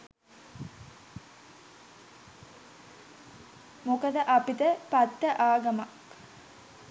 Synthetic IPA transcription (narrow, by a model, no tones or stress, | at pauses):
mokəd̪əʔapit̪əpat̪ːəʔaːɡɐmak